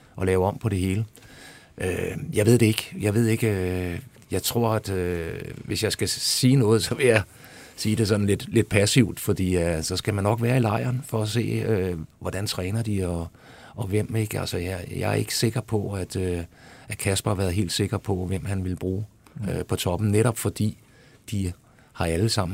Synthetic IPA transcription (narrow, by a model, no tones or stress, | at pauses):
ʔɒ̽lɛːʊɒ̽m̰pʰɒ̽ɾ̥e̝ɦe̝ːlə | ʔøjɑ̈ɪe̝ð̞̰ˠd̥e̝e̝ɡ̥jɑ̈ɪʋe̝ð̞̰ˠe̝ɡ̥ø | jɑ̈ɪt͡sʰʁo̝ɐ̰æd̥øʋe̝sjɑ̈ɪsɡ̥æsiːnɔ̽ːð̩ˠsɒ̽ʋe̝jɑ̈ | siːd̥e̝s̬ɒ̽nn̩le̝d̥le̝d̥̚pʰæsiʊd̥fɒ̽d̥ḭːsɒ̽sɡ̥æmænːɒ̽ɡ̥ʋæːɐilɑ̈ɪ̰ɐːnfɒːs̬e̝̰ːøʋɒd̥ænt͡sʰʁɛːnɐd̥iɒ | ɒ̽ʋem̰eɡ̥ælsɒjjɑ̰̈ɐe̝ɡ̥ə̥se̝ɡ̥ɐpʰɒ̽æd̥øʔækʰæsb̥ɐhʋæɐð̞̩ˠɦḛːld̥se̝ɡ̥ɐpʰɒ̽ʋem̰hænʋe̝lb̥ʁuːøpʰɒ̽t͡sʰɒ̽b̥m̩neɾɒ̽b̥fɒ̽d̥ḭː | d̥i | hɑ̈æləsɑ̈m̰n̩